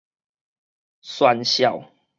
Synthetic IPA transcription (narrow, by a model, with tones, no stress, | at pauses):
swa˧nɕja˥˨w